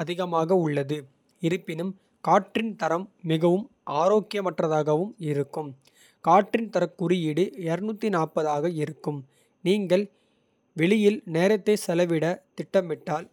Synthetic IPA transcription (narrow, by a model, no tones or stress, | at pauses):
ɐðɪɣɐmaːɣɐʊɭːɐðɯ | ɪɾɯpːɪnɯm | kaːʈrɪnt̪ɐɾɐmːɪɣɐʋɯm | ʔaːɾoːkɪjɐmɐʈrɐðaːɣɐʋɯmɪɾɯkːɯm | kaːʈːrɪnt̪ɐɾɐkːʊɾɪjɪɽɯɛɾɯnuːt̪ːinaːpɐðaːɣɐɪɾɯkːɯm | niːŋɡɐɭ | ʋɛɭɪjɪlneːɾɐt̪ːɐɪsɛlɐʋɪɽɐt̪ɪʈːɐmɪʈːaːl